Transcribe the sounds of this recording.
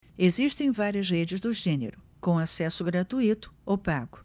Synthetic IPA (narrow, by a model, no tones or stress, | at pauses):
eziʃt̪ẽj̃vaɾjɐzʁed͡ʒɪzd̪ʊʒɛnḛɾʊ | kõasɛsʊɡɾat̪uit̪ʊ̥owpaɡʊ